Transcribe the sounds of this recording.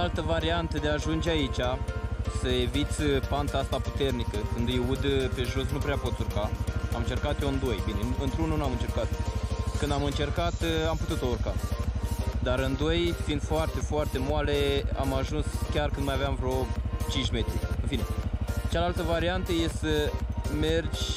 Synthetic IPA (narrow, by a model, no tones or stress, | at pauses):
alt̪əvaɾiant̪əd̪eaʒund͡ʒeait͡ʃʲasəe̞vit̪sʲpant̪aast̪apu̥t̪e̞rnikəkɨnd̪jeud̪pe̞ʒosnupɾeapo̞t̪surkaamɨnt͡ʃe̞rkat̪joɨnd̪o̞jbine̞ɨnt̪ɾununuamɨnt͡ʃe̞rkat̪kɨnd̪amɨnt͡ʃe̞rkat̪amput̪ut̪sourka | d̪aɾɨnd̪o̞jfind̪foart̪e̞foart̪e̞mwale̞a̰maʒunskʲarkɨnd̪majaveamvɾeo̞t͡ʃint͡ʃʲme̞t̪ɾiɨnfine̞t͡ʃalalt̪əvaɾiant̪əje̞səme̞rd͡ʒʲ